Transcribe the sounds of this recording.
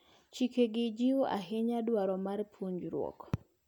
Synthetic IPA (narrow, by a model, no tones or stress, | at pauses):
t͡ʃikeɡɪd͡ʒioa̰ɦɪɲadwaɾɔmarpʰuɲd͡ʒɾwɔ̰k